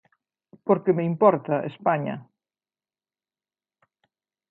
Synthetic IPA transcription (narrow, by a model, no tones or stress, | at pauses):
poɾkemeimpɔɾt̪ɐʔḛspaɲɐ̰